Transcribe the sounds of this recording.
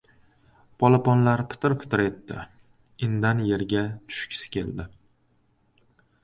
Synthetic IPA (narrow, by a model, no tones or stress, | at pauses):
pʰɒlˠapɒnlaɾpʰɪ̥t̪ʰɪɾpʰɪ̥t̪ʰɪɾe̞t̪ːɪ̰ | ɪnd̪anje̞ɾɡʲat̪ʰʊ̥ʃkʲʰɪ̥sɪ̥kʲe̞̰ld̪ɪ